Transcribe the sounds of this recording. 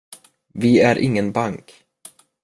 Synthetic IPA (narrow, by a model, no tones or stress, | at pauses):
vɪæɾʔɪ̰ŋːənbaŋk